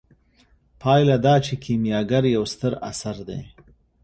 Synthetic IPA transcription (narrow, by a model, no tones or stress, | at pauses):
pʰɑjlad̪ɑːt͡ʃekʰimjɑɡaɾjawst̪əɾa̰saɾd̪ḛ